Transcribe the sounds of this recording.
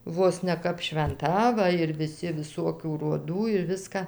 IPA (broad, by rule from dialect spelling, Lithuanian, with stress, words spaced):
ˈʋoːs nʲɛ ˈkɐp ʃʲʋʲɛnˈtɐ ˈʋɐ ɪr ʋʲɪˈsʲɪ ʋʲɪˈsoːkʲuː roːˈduː ɪr ˈʋʲɪskɐ